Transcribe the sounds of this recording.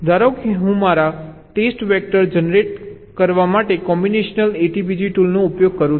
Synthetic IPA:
d̪ʱaɾokʰiɦũmaɾaʈesʈʋɛk̚ʈəɾd͡ʒənɾeʈ̚ | kəɾʋamaʈekɔmbineʃnəleʈibid͡ʒiʈulnoupjoɡ̚kəɾũ

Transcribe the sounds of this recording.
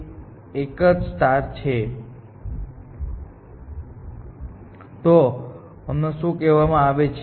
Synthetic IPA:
ekəd͡ʒsʈaɾt͡ʃʰe | t̪o | əmnosũkɛʋamãaʋet͡ʃʰ

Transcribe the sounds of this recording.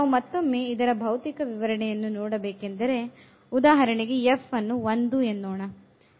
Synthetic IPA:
naʋumɐt̪ːomːeid̪ɐɾɐbʱɐʋt̪ikɐʋiʋɐɾɐɳɛjɐnːunɔːɽɐbeːkend̪ɐɾe̞ | ud̪aːɦɐɾɐɳeɡe̞efːɐnːuʋɐnd̪uenːoːɳɐ

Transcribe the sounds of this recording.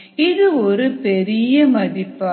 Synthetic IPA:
ɪðɯɔɾɯpɛɾɪjɐmɐðɪpːaː

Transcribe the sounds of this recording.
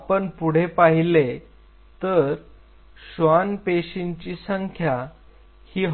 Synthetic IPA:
apəɳpuɽ̤epaɦile | t̪əɾ | ɕʋanpeɕiɲt͡ɕiːsəŋkʰja | hiːɦ

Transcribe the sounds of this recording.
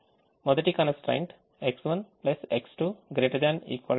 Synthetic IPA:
mɔd̪əɾʈikãnəsʈɾã̰ɪɳʈ | eksʋə̃npleseksʈuɡɾeːʈəɾd̪æ̃nḭːkʋal

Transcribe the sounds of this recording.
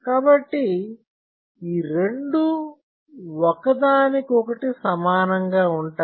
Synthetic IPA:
kaːbɐʈːi | iːɾe̞ɳɖu | ɔkɐd̪aːnikɔkɐʈisɐmaːnɐŋɡaːuɳʈaː

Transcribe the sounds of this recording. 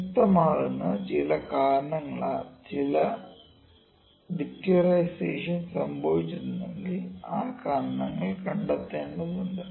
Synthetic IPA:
ut̪ːɐmaːɭunːɨt͡ɕilɐkaːɾɐɳɐŋːɐɭɐ̰t͡ɕilɐ | ʋikʈiɾɐjseːʂɐnsɐmbʱɐʋit͡ɕːunnːɐɭːiaːkaːɾɐɳɐŋːɐɭkɐɳɖɐt̪ːe̞ːɳɖɐðuɳɖɨ

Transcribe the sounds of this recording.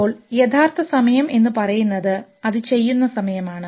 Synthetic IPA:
oːɭjet̪ʰaːrt̪ʰɐsɐmɐjɐme̞nːɨpɐrɐjunːɐðɨ | ɐðɨt͡ɕe̞jːunːɐsɐmɐjɐmaːɳɨ

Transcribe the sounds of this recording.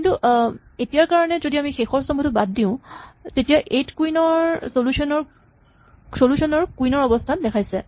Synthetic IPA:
kintuʔ | etijaɹkaɹɔnɛzodiamixexɔɹsɔmbʰɔtʊbad̚diʊ̃tetijaʔetkuinɔɹsolusʰɔnɔɹ | solusʰɔnɔɹkuinɔɹɔbɔstʰandɛkʰajsɛ

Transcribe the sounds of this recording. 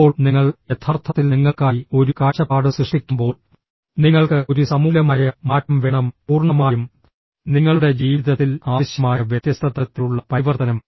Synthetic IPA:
oːɭniŋːɐɭe̞t̪ʰːaːrt̪ʰɐt̪ːilniŋːɐɭkaːjio̞ɾukaːɕɐpaːɽɨsrɨʂʈikʲːumbo̞ːɭ | niŋːɐɭkɨo̞ɾusɐmuːlɐmaːjɐmaːʈːɐmʋeːɳɐmpuːrɳɐmaːjum | niŋːɐɭuɽe̞d͡ʑiːʋiðɐt̪ːilaːʋɐɕjɐmaːjɐʋjɐt̪jɐst̪ʰɐt̪ːɐt̪ːiluɭːɐpɐɾiʋɐrt̪ɐnɐm

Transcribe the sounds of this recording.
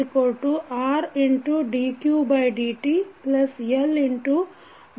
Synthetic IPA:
ikoɭʈːuʔaːɾiɳʈuɖiːkjuːbɐjɖiːʈiplɐseliɳʈu

